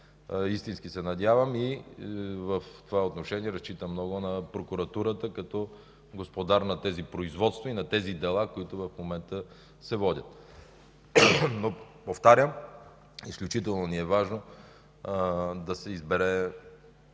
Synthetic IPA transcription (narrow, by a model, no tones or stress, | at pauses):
ist̪inskisɛnɐd̪ʲjavəmi | vəft̪ovaot̪noʃɛniɛɾɐst͡ʃit̪əmːnɔɡʊnɐpɾokuɾɐt̪uɾət̪əkɐt̪ɔ | ɡospod̪aɾnɐt̪ɛzipɾoizvɔt̪st̪voinɐt̪ɛzid̪ɛlˠakoit̪ʊvɐfmomɛnt̪ə | sɛvɔdʲət̪̚ | no | poft̪aɾʲjəm | isklʲʊt͡ʃit̪ɛlˠnoniɛvaʒno | d̪ɐsɛizbɛɾɛ